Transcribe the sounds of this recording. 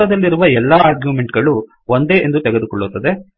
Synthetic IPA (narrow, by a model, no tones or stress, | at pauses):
ɐd̪ɐlːiɾuʋɐɛlːaːaɾɡjume̞ɳʈɡɐɭu | ond̪e̞ːʔend̪ut̪ɛɡed̪ukɔɭːut̪ːɐd̪e̞